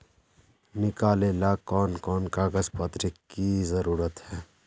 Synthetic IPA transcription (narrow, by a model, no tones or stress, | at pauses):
nɪkaːlelakɔːnkɔːnkaːɡəzpət̪ɾikːkizəɾuːɾət̪ɦɛː